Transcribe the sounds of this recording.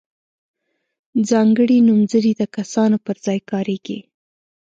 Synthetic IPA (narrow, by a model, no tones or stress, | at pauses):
d͡zɑŋɡəɽinumzəɾid̪əkasɑnopəɾzɑjkɑɾeɡḭ